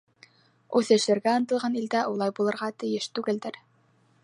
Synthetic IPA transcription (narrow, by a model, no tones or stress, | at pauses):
ʉθɘ̆ʃlɘ̆ɾɡæɤnt̪ɤ̆lˠʁɑnild̪æʔulˠɑjbulˠɤ̆ɾʁɑt̪ɘ̆jɘʃt̪ʉɡɘld̪ɘɾ